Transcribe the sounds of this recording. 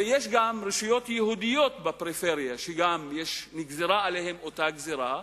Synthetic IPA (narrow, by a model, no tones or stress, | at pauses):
ejeʃ̬ɡamʁiʃujo̞t̪jehud̪ijo̞t̪bapʁifeʁijaʃeɡamjeʃniɡzeʁaːlehemot̪aɡzeʁa